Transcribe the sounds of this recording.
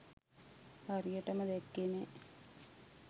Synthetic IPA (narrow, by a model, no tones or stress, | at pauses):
arijəʈɐmɐd̪ekːene